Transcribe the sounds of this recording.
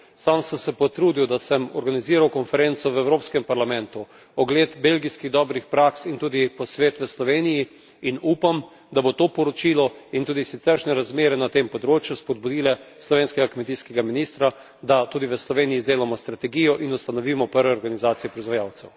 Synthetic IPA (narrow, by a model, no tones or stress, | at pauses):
samsəmsɛpɔt̪ɾuːd̪iwd̪asɛmɔɾɡaniziːɾawkɔnfɛɾent̪sɔʋɛwɾoːpskɛmpaɾlamɛ̃nt̪u | ɔɡleːt̪belɡiskiɣd̪ɔːbɾixpɾaːksint̪uːd̪ipɔsʋeːt̪ʋəslɔʋeːniji | inuːpam | d̪abot̪oːpɔɾɔt͡ʃiːlɔint̪uːd̪isit̪sɛɾʃnɛɾazmeːɾɛnat̪empɔd̪ɾoːt͡ʃjuspɔd̪̚bud̪iːlɛslɔʋeːnskɛɡakmɛt̪iskɛɡaminist̪ɾa | d̪at̪uːd̪iʋəslɔʋeːnijizd̪eːlamɔst̪ɾat̪ɛɡijɔʔinust̪anɔʋiːmɔpəɾʋɛɔɾɡanizaːt̪sijɛpɾɔizʋajaːwt̪sɛw